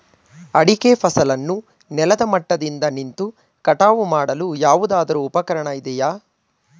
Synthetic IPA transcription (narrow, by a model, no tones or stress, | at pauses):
ɐɽikepʰɐsɐlɐnːu | nɛlɐd̪ɐmɐʈːɐd̪ind̪ɐnint̪u | kɐʈaːʋumaːɽɐlujaːʋud̪aːd̪ɐɾuːpɐkɐɾɐɳɐid̪ɛjaː